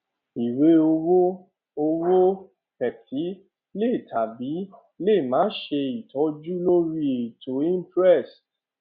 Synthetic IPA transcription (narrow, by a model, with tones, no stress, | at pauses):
i˨we˨˦o˧wo˦ | o˧wo˦ | kɛ˨tʰi˨˦ | le˦i˨tʰa˨bi˨˦ | le˦˨mãː˨˦ʃe˧i˨tɔ˨˦d͡ʒu˦lo˦ɾi˦e˨to˨˦ĩ˦pɾɛ˦˨s